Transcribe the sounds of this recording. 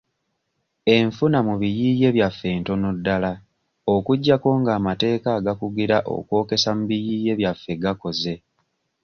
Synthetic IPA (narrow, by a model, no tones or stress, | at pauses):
e̞ɱfunamuβijiːje̞βjafːe̞ːnto̞nudːala | okuɟːako̞ːŋɡaːmate̞ːkaːɡakuɡiɾaʔo̰kwo̞ːke̞samuβijiːje̞βjafːe̞ɡako̞ze̞